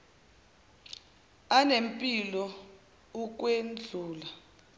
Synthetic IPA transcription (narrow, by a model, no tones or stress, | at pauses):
anempʼilɔ | uk̬ʼwend͡ɮʱuːla